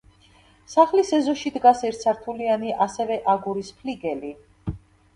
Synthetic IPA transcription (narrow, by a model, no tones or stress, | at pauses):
saχlisɛzɔʃid̪ɡasɛɾt̪sʰaɾt̪ʰulianiʔasɛvɛʔaɡuɾispʰliɡɛli